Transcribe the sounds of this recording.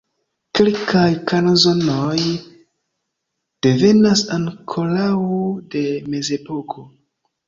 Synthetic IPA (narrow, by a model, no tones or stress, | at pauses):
ke̞lkajkanazo̞noj | d̥e̞ve̞nasankʰolawude̞me̞ze̞po̞kʰo̞